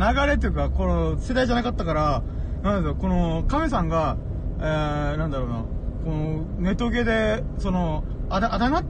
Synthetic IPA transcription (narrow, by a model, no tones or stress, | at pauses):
naɡaɾe̞t̪̬ojɯ̟kakoose̞d̪aiʑanakat̪ːakaɾa | nãnd̪esjoko̞nokames̬ãŋɡa | enãnd̪aɾo̞ːnako̞no | ne̞t̪oɡe̞d̪e̞so̞no̞ | ad̪aʔad̪anat̪